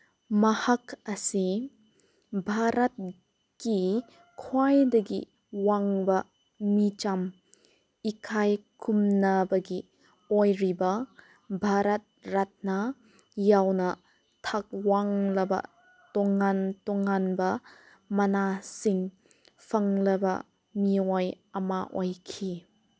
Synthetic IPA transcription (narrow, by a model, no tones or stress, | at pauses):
mɐhɐkɐsi | bʱaɾɐt̚ | ki | kʰwajdɐɡḭ | waŋbɐ | mit͡ʃam | ikʰajkumnɐbɐɡi | ɔjɾibɐ | bʱaɾɐt̚ɾat̚nɐ | jawnɐ | tʰak̚waŋlɐbɐ̰ | tɔŋantɔŋanbɐ | mɐnasiŋ | pʰɐŋlɐbɐ̰ | mioj | ɐmaʔɔjkʰi